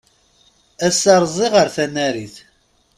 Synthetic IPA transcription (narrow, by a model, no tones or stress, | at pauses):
æsɑɾˤzˤiʁəɾθænæɾiθ